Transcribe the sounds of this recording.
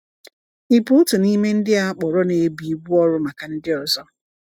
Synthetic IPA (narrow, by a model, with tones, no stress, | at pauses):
i˨pu˨˦ʊ˦tʊ˨ni˦me˦n̩˦dɪ˦a˨˦k͡pɔ˨ɾɔ˦ne˨˦bi˨˦ɡ͡bu˦ɔ˦ɾʊ˦ma˨ka˨n̩˦dɪ˦ɔ˨zɔ˦